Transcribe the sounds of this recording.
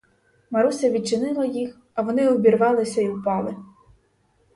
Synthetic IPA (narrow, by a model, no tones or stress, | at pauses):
mɐɾusʲɐʋʲid̪̚t͡ʃɪnɪlˠɐjix | ɐʋɔnɪɔbʲirʋɑlˠɪsʲɐiwpɑlˠɪ